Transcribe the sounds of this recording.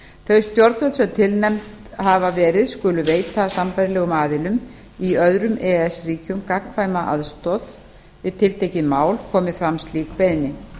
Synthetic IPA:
θœɥst̪jɔɾt̪vœlsɛmt̪ʰɪlnɛmt̪havavɛːɾɪðskʏːlʏveːjt̪asampajɾɪlɛːɣʏmaːðɪlʏm | iœðɾʏmɛːɛsriːcʏmkakŋ̥kʰvaːjmaʔa̰ðst̪ɔð | ɪt̪ʰɪlt̪ʰejcɪðmaːwlkʰɔːmɪfɾamst̪liːkpejðnːɪ

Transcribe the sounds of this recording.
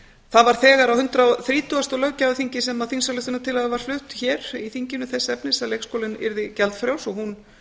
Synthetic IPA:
θaðvaɾ̥θɛːɣaɾawhʏnt̪ɾaθɾiːt̪ʰuast̪ɔlœɣcavʏθiɲcɪsɛmaðθinsalʏht̪ʏnat̪ʰɪlhaðɪvaɾ̥flʏht̪çɛːɾiθiɲcɪnʏθɛsːɛpnɪsːalejkskowlɪnɪ̰ɾðɪcɛlt̪fɾjawsɔɣhun

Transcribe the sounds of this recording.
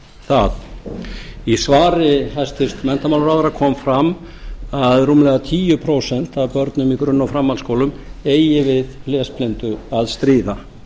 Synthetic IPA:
θað | isvaːɾɪɦast̪ɪst̪mɛnt̪amawlɾawðɾakʰɔːmfɾam | aðruːmlɛɣat̪ʰiːjʏpʰɾoːwsɛn̥t̪avpœɾt̪nʏmikɾʏnːawfɾamːalskowlʏmeːjjɪvɪðlɛːsplent̪ʏaðst̪ɾiːða

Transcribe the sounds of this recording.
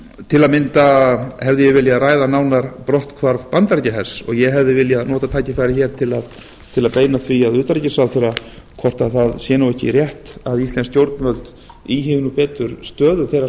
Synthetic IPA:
t̪ʰɪlaðmɪnt̪ahɛvðɪjɛvɪljaðraːjðanaːwnaɾpɾɔht̪kʰvaɾpant̪aɾcɪɦɛr̥sɔ̰ɣjɛɦɛvðɪvɪljaðnɔːt̪at̪ʰaːjcɪfaɾɪçɛːɾ̥t̪ʰɪlað | t̪ʰɪlaðpeːjnaθviaðʏːt̪aɾicɪ̥sawθejɾakʰɔr̥t̪aðθaðsjɛːnawɛhcɪ̰ɾjɛht̪aðislɛnscjowɾt̪nvœlt̪ | iɦɪvnupɛːt̪ʏɾst̪œːðʏθejɾa

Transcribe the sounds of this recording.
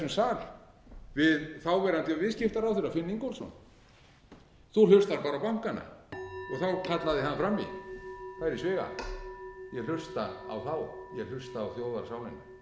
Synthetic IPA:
ʏmsaːl | vɪðθawvɛɾant̪ɪvɪðscɪft̪aɾawθʏɾaðfɪnːiŋkolsɔ̰n | θul̥ʏst̪aɾpaːɾawpawŋ̥kanːa̰ɔɣθawkʰat̪laðɪɦanːfɾamːḭθaɾɪsvɪːɣa̰ | jɛɣlʏst̪aa̰wθawjɛɣl̥ʏst̪aːwθjoːwðaɾ̥saːwlɪnːʏ

